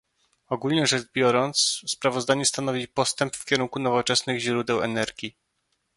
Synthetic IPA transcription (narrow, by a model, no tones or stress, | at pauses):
ɔɡulʲɲɛʐɛd͡ʐbʲjɔɾɔnt̪sspɾavɔzd̪aɲɛst̪an̪ɔvʲipɔst̪ɛmpfkʲɛɾuŋkunɔvɔt͡ʂɛsnɘɣʑɾud̪ɛwɛ̰nɛɾɡʲi